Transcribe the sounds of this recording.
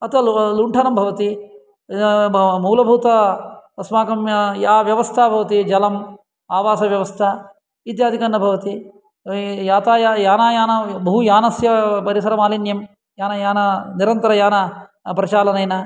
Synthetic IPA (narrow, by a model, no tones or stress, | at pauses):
ɐt̪ɐlluɳʈʰɐnɐmbʱɐʋɐt̪i | muːlɐbʱuːt̪ɐɐsmaːkɐmjɐjaːʋjɐʋɐst̪ʰaːbʱɐʋɐt̪id͡ʒɐlɐm | aːʋaːsɐʋjɐʋɐst̪ʰɐ | it̪jaːd̪ʱikɐnːɐbʱɐʋɐt̪i | jaːt̪aːjajaːnaːjaːnɐbɐɦujaːnɐsjɐpɐɾisɐɾɐmaːlinjɐm | jaːnɐjaːnɐniɾɐnt̪ɐɾɐjaːnɐ | pɾɐt͡ʃaːlɐnɐjnɐ